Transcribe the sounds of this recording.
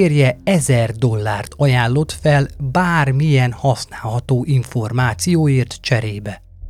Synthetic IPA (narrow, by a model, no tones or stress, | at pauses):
eːrjɛɛzɛrd̪o̞lːaːrt̪ʰɒjaːnːo̞t̪fɛlbaːrmijɛnhɒsnaːlhɒt̪oːʔiɱfo̞rmaːt̪sijoːjeːrt̪t͡ʃɛɾeːbɛ